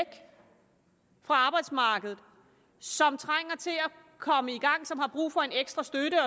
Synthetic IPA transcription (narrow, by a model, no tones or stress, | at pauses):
ɡ̥ | fʁɑ̈ɑ̈ːb̥ɑ̈ɪd̥smɑ̈ːɡ̥əð̩ˠ | sɒ̽mt͡sʰʁaŋ̰ɐt͡sʰe̝æ | kʰɒ̽məiɡ̥ɑ̈ŋ̰sɒ̽mhɑ̈b̥ʁṵːfɒ̽e̝neɡ̥sd̥ʁɐsd̥øɾəɒ̽